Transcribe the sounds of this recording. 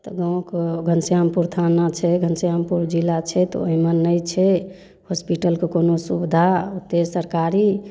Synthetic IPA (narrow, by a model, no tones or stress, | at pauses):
t̪ɔɡãw̃kɡʱənsijampuɾt̪ʰanat͡ʃʰɛɡʱənsjampuɾd͡ʒilːat͡ʃʰɛt̪ɔ̰oɦimənːəjt͡ʃʰɛ | hospiʈəlkekonosubd̪ʱaud̪esəɾkaɾi